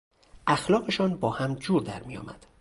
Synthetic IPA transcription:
ʔæxlɒːɣe̞ʃɒːnbɒːhæmd͡ʒuːɾd̪æɾmijɒ̰ːmæd̪̥

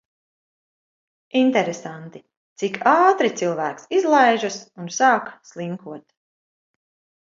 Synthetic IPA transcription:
int̪ɛɾesant̪i | t̪sikʰaːt̪ɾit̪silˠvæːksizlˠajʒasunsɑːkslˠiŋkuɔt̪

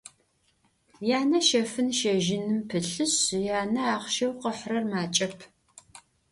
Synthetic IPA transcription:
jaːnɐʃɐfɨnʃɐʒɪnɨmpʰɨɬɨɕjaːnɐaːχʃɐwqəħrɐrmaːt͡ʃʼɐpʰ

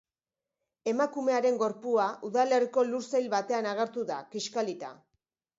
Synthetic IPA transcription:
e̞makume̞aɾe̞ŋɡo̞ɾpuaʔuðale̞riko̞luɾsajlβat̪e̞anaɣ̞eɾt̪uða̰kiʃkalit̪a̰

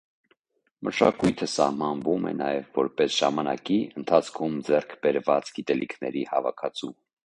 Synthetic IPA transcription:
məʃɑ̰kujt̪ʰəsɑhmɑnvumɛ̰nɑ̰jɛvːɔɾpɛsʒ̥ɑmɑnɑ̰kiənt̪ʰɑt͡sʰkʰumd͡zɛrkʰbɛɾvɑt͡sɡit̪ɛlikʰnɛɾihɑvɑkʰɑt͡sʰu

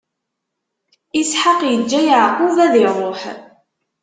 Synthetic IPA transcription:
ɪsħaqjəd͡ʒːæjʕquvæðirˤoħ

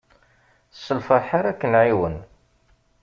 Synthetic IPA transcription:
sːəlfəħaɾækːənʕiwən

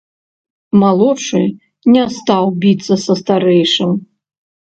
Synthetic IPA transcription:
malˠɔt͡ʂɨ | nʲɛst̪awbʲit̪sːɐsɐst̪aɾɛjʂɨm

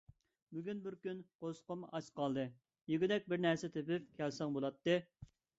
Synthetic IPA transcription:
byɡʲynbɪɾkʲynqosqəmɑt͡ʃqʰɑlˠd̪ɨ | jyɡʲɪd̪ɛk̚ʲbɪɾnɛɾsɛt̪ʰepɪp̚kʲʰɛlsɪŋbolˠɑt̪ːɨ

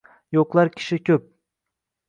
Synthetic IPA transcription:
joqlˠaɾkʲʰɪ̥ʃɪkʲʰɵp̚

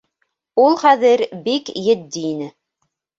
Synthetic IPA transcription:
ulˠχæðɘɾbikjɘ̆d̪ːiːnɘ

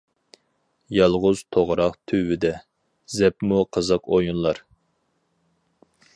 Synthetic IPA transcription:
jɑlˠʁʊz̥t̪ʰoʁɾɑqt̪ʰywɪd̪ɛ | zɛpmuqʰəzəqojunlˠɑɾ

